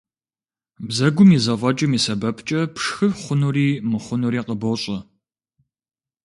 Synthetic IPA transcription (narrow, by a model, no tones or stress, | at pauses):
bzɐɡʷʊmizɐfʼɐt͡ʃʼɐmiːsɐbɐpʰt͡ʃʼɐpʂxɨfχʷʊnuriːmɨχʷʊnuɾiːqəboɕʼɐ